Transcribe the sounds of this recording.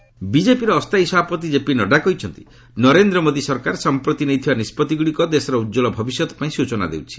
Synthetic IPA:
bid͡ʒepiɾɔːst̪aisɔbʱapɔt̪id͡ʒepinɔɖakɔɦit͡ʃʰɔnt̪i | nɔɾend̪ɾɔmod̪isɔɾkaɾsɔmpɾɔt̪inejt̪ʰibanispɔt̪iɡuɽikɔd̪esɔɾɔud͡ʒɔlɔbʱɔbisjɔt̪ɔ̥paĩsut͡ʃɔna̰d̪ḛwt͡ʃʰi̥

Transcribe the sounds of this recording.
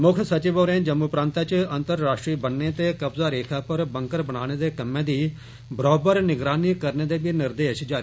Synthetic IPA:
mʊkʰsət͡ʃɪboːɾẽːd͡ʒəmːuːpɾãːnt̪at͡ʃənt̪əɾːaːʃʈɾiːbənːeːt̪eːkəbzaːɾeːkʰaːpəɾbəŋkəɾbəɽaːɽ̃eːd̪eːkəmːẽːd̪iː | bɾɔːbəɾnɪɡɾaːniːkəɾneːd̪eːbiːnɪɾd̪eːʃd͡ʒaːɾi

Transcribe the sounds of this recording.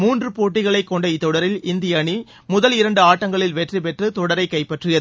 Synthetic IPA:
muːndrɯpoːʈːɪɣɐɭɐɪkːɔɳɖɐɪt̪ːɔɽɐɾɪlɪnd̪ɪjɐɳi | mʊðɐlɪɾɐɳɖɯaːʈːɐŋɡɐɭɪlʋɛʈripɛʈrɯt̪ɔɽɐɾɐɪkːɐɪpːɐʈrɪjɐ

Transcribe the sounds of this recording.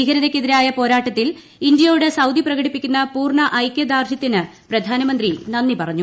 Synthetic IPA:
iɣɐɾɐðekʲːeðiɾaːjɐpo̞ːɾaːʈːɐt̪ːil | ind̪jɐjuɽesɐwd̪ʱiprɐɣɐɽipːikʲːunːɐpuːrɳɐʔɐjkʲːɐd̪aːrɕɐt̪ːinɨprɐd̪ʱaːnɐmɐnd̪rinɐnːipɐrɐɲːu

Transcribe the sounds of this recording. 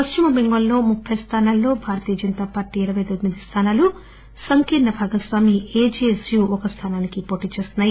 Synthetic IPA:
pɐst͡ʃimɐbeŋɡɐlːo̞ːmupʰːɐjɐst̪ʰaːnaːlːo̞ːbʱaːɾɐt̪iːjɐd͡ʒɐnt̪aːpaːɾʈiːɾɐʋɐjt̪od̪mid̪ʱist̪ʰaːnaːlu | sɐŋkiɾnɐbʱaːɡɐsʋaːmieːd͡ʒiesjuɔkɐst̪ʰaːnaːnikipo̞ːʈiːt͡ʃe̞st̪unːaːji

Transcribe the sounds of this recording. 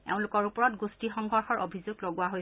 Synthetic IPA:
ḛʊ̃lʊkɔɹupɔɹɔtɡustixɔŋɡʱɔɹxɔɹʔobʱizuɡloɡwaɦoj

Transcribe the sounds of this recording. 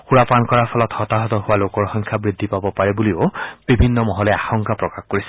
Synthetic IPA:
xuɹapankɔɹaɹpʰɔlɔthɔt̪aɦɔt̪ɔɦʊwalokɔɹxɔŋkʰjabɹid̪ʱːipabɔpaɹɛbuliob̥ibʱinːɔmɔɦɔlɛaxɔŋkapɹɔkaxkoɹisɛ

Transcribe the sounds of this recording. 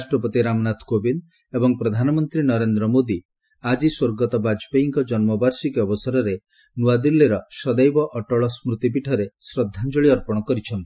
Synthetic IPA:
asʈɾɔpɔt̪iɾamnat̪ʰkobin | ebɔŋpɾɔd̪ʱanɔmɔnt̪ɾinɔɾend̪ɾɔmod̪i | ad͡ʒiswoɾɡɔt̪ɔbad͡ʒpeiŋkɔd͡ʒɔnmɔbaɾsikɔbɔsaɾɔɾe | nuad̪ilːeɾɔsɔd̪ajbɔʔɔʈɔɭɔsmɾut̪ip̬iʈʰɔɾesɾɔd̪ʱːand͡ʒɔɭiɔɾpɔɽ̃ɔkɔɾit͡ʃʰɔnt̪i̥

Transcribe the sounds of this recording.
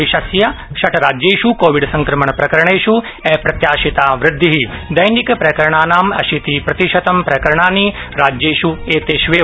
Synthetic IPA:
iʃɐsjɐ | ʃɐʈʰɾaːd͡ʒjeːʃukoːʋiɖsɐ̃ŋkɾɐməɳpɾɐkɐɾɐɳeːʃu | eːpɾɐt̪jaːʃit̪aːʋɾɪd̪ʱːiɦid̪ɐjnikpɾɐkɐɾɳaːnaːmɐ̰ʃit̪ipɾɐt̪iʃɐt̪ɐmpɾɐkɐɾɐɳaːniɾaːd͡ʒjeːʃueːt̪eːʃʋeː

